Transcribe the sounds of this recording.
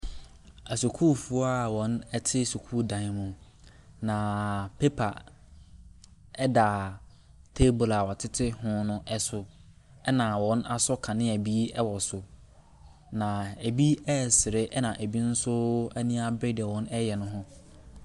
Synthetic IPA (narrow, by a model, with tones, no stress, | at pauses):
a˨su˨kʰuː˦˨fu˨˦a˦˨wɔ̃˦nɛ˦tʰɪ˦su˨kʰuː˦˨dã˨˦mʊ̃˨ | nã˨pʰe˦pʰa˨ | ɛ˦da˨ | tʰe˦bʊ˨la˨wɔ˨tʰɪ˦tʰɪ˦hʊ̃˦nʊ̃˦ʔɛ˦sʊ˦ | ɛ˦nã˨wɔ̃˦na˨sɔ˦kʰã˨nɪ̃˦æ˨bi˦ɛ˦wɔ˨sʊ˨ | nã˨æ˨bi˦ɛ˦˨sɪ˨ɾɪ˦ʔɛ˦nã˨ʔæ˨bi˦n̩˦sʊ˦æ˦nĩ˦a˦bɪ˦dɛ˨wɔ̃˦nɛ˦jɛ˨nʊ̃˦ɦʊ̃˦